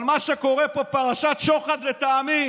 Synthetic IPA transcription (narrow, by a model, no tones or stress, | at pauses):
lmaʃeko̞ʁepopaʁaʃat̪ʃo̞χad̪let̪aːmi